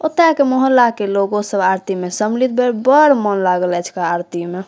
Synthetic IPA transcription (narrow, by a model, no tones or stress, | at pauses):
ot̪ɾakemoɦəlːakeloɡosəbaɾt̪imesəmlit̪̚beɾbəɾmənlaɡəlɛt͡ʃʰkaːɾt̪ime